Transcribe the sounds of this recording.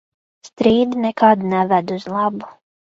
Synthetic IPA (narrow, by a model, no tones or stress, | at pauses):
st̪ɾiːd̪inɛkad̪nɛvæd̪uzlˠɑbu̥